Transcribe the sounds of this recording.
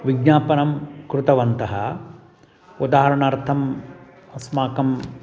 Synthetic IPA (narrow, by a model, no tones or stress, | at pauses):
ʋiɡ̚ɲaːpɐnɐmkɾut̪ɐʋɐnt̪ɐɦɐ | ud̪aːɦɐɾɐɳɐːɾt̪ʰɐm | ɐsmaːkɐm